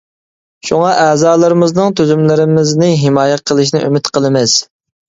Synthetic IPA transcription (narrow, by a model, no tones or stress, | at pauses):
ʃuŋɑʔɛːzɑːlˠɨɾɪmɪznɨŋt̪ʰøzymlɪɾɪmɪznɪɦɪmɑːjɛqʰəlˠɨʃnɪʔy̰mɪt̪qəlˠɨmɪz̥